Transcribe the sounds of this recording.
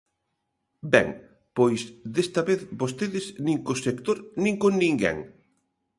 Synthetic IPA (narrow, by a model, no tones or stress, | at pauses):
bɛ̰ŋ | pojsðest̪ɐβeθbost̪eðɪznĩŋkosekt̪oɾnĩŋkonnĩŋɡɛ̰ŋ